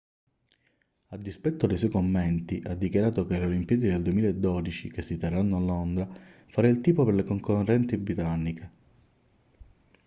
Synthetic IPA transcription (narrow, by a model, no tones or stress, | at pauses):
ad̪ːispɛt̪ːod̪ejs̬ɔjkomːɛnt̪iʔad̪ːikjaɾaːt̪okelolimpijɛːd̪id̪eld̪uwemilaed̪ːɔd̪it͡ʃik̟esːit̪erːanːoalːond̪ɾa | faɾailt̪iːpoperlekoŋkorːɛnt̪ibɾit̪anːike